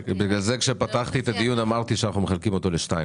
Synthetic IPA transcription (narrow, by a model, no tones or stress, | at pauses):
beɡalze̞kʃe̞pat̪aχt̪iet̪ad̪ijunamaʁt̪iʃeanaχnumeχalkimo̞t̪o̞leʃnaj